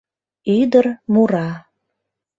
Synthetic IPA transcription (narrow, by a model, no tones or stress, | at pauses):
yd̪ərmuɾɑ